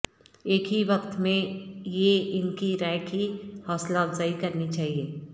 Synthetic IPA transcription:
eːkɦiʋɐkt̪mẽjeɪnkiɾaːɪkihɔːslaːbzaikɐɾnit͡ʃaːɦieː

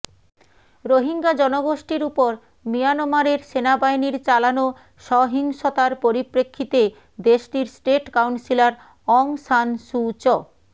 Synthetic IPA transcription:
ɾoɦiŋɡad͡ʑɔnoɡoʃʈiɾupoɾ | mijanomaɾeɾʃenabajniɾt͡ɕalano | ʃɔɦiŋʃot̪aɾpoɾipɾekʰːit̪e | d̪eʃʈiɾsʈeʈkawnsilaɾ | ɔŋsanʃut͡ɕɔ

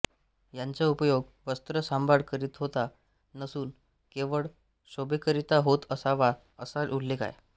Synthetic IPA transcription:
jaɲt͡saupəjoɡʋəst̪ɾəsambʱaɽkəɾiːt̪ɦot̪a | nəsuːn | keʋəɭ | ɕobekəɾit̪aɦot̪əsaʋa | əsalʔulːeka̰j

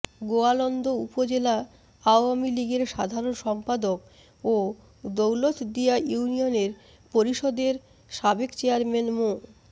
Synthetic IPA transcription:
ɡoalɔnd̪oupod͡ʑela | aoamiliɡeɾʃad̪ʱaɾonʃɔmpad̪ok | o | d̪owlot̪ʰd̪iajunioneɾ | poɾiʃod̪eɾ | ʃabekt͡ɕeaɾmenmo

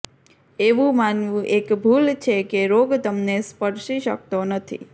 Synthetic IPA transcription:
eʋũmanʋũʔekbʱult͡ʃʰekeɾoɡt̪əmnespəɾʃiʃə̰k̚t̪onət̪ʰḭ

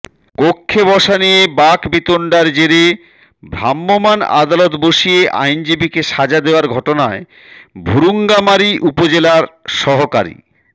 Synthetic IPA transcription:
ɡ̥okʰːebɔʃanijebakbit̪oɳɖaɾd͡ʑeɾe | bʱɾamːomana̰d̪alot̪boʃieʔa̰jnd͡ʑibikeʃad͡ʑad̪eoaɾɡʱɔʈonae | bʱuɾuŋɡamaɾiʔupod͡ʑelaɾʃɔɦoka̰ɾḭ

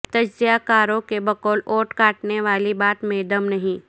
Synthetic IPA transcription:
t̪ɐd͡ʒzijakaːɾõkebɐkɔːloːʈkaːʈneʋaːlibaːt̪mẽːd̪ɐmnɐɦĩ

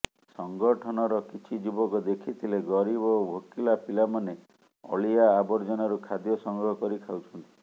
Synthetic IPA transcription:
sɔŋɡɔʈʰɔnɔɾɔkit͡ʃʰid͡ʒubɔkɔd̪ekʰit̪ʰileɡɔɾibɔobʱokilapilamane | ɔ̰ɭijaːbɔɾd͡ʒɔnɔɾukʰad̪jɔsɔŋɡɔɦɔkɔɾikʰawt͡ʃʰɔnt̪i

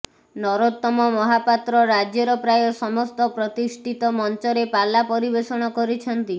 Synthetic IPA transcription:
nɔɾot̪ːɔmɔmɔɦapat̪ɾɔɾad͡ʒjɔɾɔpɾajɔsɔmɔst̪ɔpɾɔt̪isʈʰit̪ɔmɔnt͡ʃɔɾepalːapɔɾibesɔɽ̃ɔkɔɾit͡ʃʰɔnt̪i

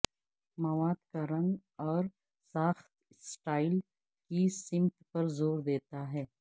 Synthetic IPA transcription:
mɐʋaːd̪kaɾɐ̃ŋɡɔːɾ | saːxt̪̚ | sʈaːɪl | kisɪ̃mt̪pɐɾzoːɾd̪eːt̪aɦɛː

